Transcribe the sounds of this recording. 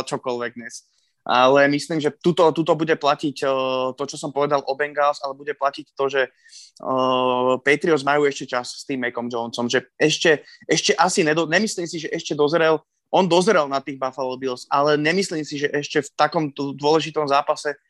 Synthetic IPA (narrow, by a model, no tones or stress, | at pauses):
t͡ʃɔkɔlʋɛɡ̚d̪ɲɛs | ʔa̰lɛmisliːmʒɛt̪ut̪ɔt̪ut̪ɔbuɟɛplacicət̪ɔt͡ʃɔsɔmpɔʋɛd̪alʔɔbɛŋɡalsalɛbuɟɛplacict̪ɔʒɛ | pɛt̪ɾiɔzmajuːɛʃcɛt͡ʃasst̪iːmːɛkɔmd͡ʒɔnsɔmʒɛɛʃcɛɛʃcɛʔasiɲɛd̪ɔɲɛmisliːmsiʒɛʔɛʃcɛd̪ɔzɾɛl | ʔɔnd̪ɔzɾɛlnat̪iːɣbafalɔbilsalɛɲɛmisliːmsiʒɛʔɛʃcɛft̪akɔmd̪ʊɔlɛʒit̪ɔmzaːpasɛ